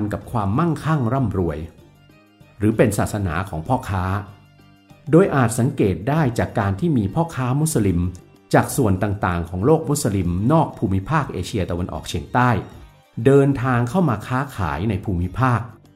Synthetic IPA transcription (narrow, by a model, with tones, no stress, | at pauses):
nka˨˩p̚kʰwaː˧mːa˥˩ŋkʰa˥˩ŋɾa˥˩mɾu˧əj | ɾɯː˩˦pe˧nsaː˨˩t̪̚sa˧na̰ː˩˦kʰɔː˩˦ŋpʰɔː˥˩kʰaː˦˥ | doː˧jʔaː˨˩t̪̚sa˩˦ŋkeː˨˩t̪̚daː˥˩jt͡ɕaː˨˩kːaː˧nt̪ʰiː˥˩miː˧pʰɔː˥˩kʰaː˦˥mu˦˥t̪̚sa˧li˧m | t͡ɕaː˨˩k̚su˨˩ənt̪aː˨˩ŋt̪aː˨˩ŋkʰɔː˩˦ŋloː˥˩k̚mu˦˥sa˧li˧mnɔː˥˩k̚pʰuː˧mi˦˥pʰaː˥˩k̚ʔeː˧t͡ɕʰi˧ɐt̪a˧wa˧nʔɔ̰ː˨˩k̚t͡ɕʰi˧əŋt̪aː˥˩j | dɤː˧nt̪ʰaː˧ŋkʰa˥˩wmaː˧kʰaː˦˥kʰa̰ː˩˦jna˧jpʰuː˧mi˦˥pʰaː˥˩k̚